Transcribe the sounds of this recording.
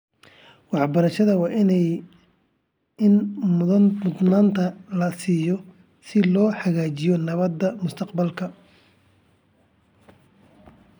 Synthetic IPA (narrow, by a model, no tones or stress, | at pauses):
wɑħbɐɾɐʃɐðɐwɑːʔɪnɛ | ɪnmmʊd̪naːnt̪ʰɐlɐsiːjɔ | sɪlɔːħɑɣaːt͡ʃɪjɔnɐβɐd̪ːɐmʊst̪ʰɐqbɐlkʰɐ